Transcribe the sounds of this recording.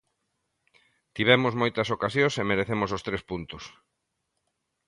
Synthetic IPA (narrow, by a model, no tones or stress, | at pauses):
t̪iβ̞ɛmʊzmojt̪ɐsokasjõsemeɾeθemos̬ost̪ɾespunt̪ʊs